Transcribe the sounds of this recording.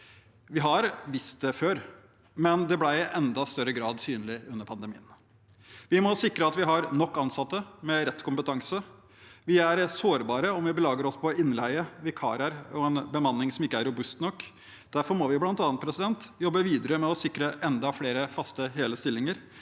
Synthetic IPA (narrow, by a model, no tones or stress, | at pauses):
ʋɪɦɑɾʋɪst̪̚d̪ɛføːɾ | mɛnd̪ɛblæɪɪʔɛnd̪ɑst̪œɾːəɡɾɑːd̪syːnəlɪʉnːəɾpʰɑnd̪əmḭːən | ʋɪmɔsɪkɾəɑt̪ʋɪɦɑɾnɔkːɑnsɑt̪ːəmɛɾɛt̪ːkʊmpət̪ʰɑŋsə | ʋɪæɾsoːɾbɑːɾəɔmʋɪbəlɑːɡəɾɔspʰɔɪnːlæɪəʋɪkʰɑ̰ːɾəɾɔɛnbəmɑnːɪŋsɔmɪkːəæɾʊbʉst̪nɔkː | d̪̥æɾfɔɾmɔʋɪblɑnt̪ɑːnt̪pʰɾɛsɪd̪ɛnt̪jɔbːəʋiːd̪əɾəmɛɔsɪkɾəʔɛnd̪ɑfleːɾəfɑst̪əɦeːləst̪ɪlːɪŋəɾ